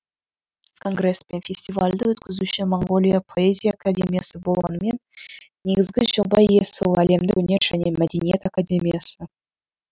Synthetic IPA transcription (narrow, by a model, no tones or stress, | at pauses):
kʰo̞ŋɡre̞spe̞nfʲe̞sʲt̪ʲivalʲd̪əwɵt̪kʲɪzuʃɪmoŋɡo̞lʲijapʰo̞ezʲijaːkadʲe̞mʲijasəbo̞lˠʁɑnəme̞nː | e̞ɡʲɪzɡʲɪʒobɑjjesolˠæle̞md̪ɪ̰wɵne̞ɾʒæne̞mæd̪ʲenijet̪akadʲe̞mʲijasə